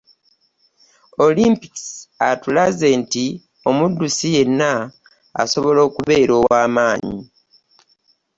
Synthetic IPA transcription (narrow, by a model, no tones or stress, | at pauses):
o̞limpi̥ksatulaze̞nti | o̞mudːusije̞nːa̰ː | so̞βo̞lo̞ːkuβe̞ːɾoːwaːmaːɲḭ